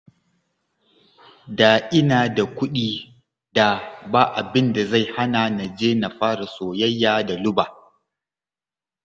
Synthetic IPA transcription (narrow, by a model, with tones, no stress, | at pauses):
daː˨ʔɪ˦naː˨da˨kʷʊ˦ɗiː˦ | da˨baː˦ʔa˨bɪ˦nda˨za˦˨jha˦na˨na˨d͡ʒeː˦na˨ɸaː˦ɾa˨soː˨jɐ˦jːaː˦da˨lʊ˦baː˨